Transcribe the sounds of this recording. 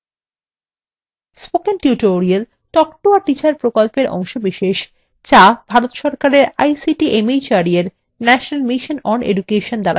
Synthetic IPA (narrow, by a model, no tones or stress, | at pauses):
spokenʈiuʈoɾiel | ʈɔkʈoaɾʈit͡ɕaɾpɾokolpeɾʔɔ̰ŋʃobiʃeʃ | t͡ɕabʱaɾot̪ʃɔɾkaɾeɾajsiʈiʔemit͡ɕaɾieɾ | nɛʃonalmiʃonɔnḛɖukeʃond̪aɾa̰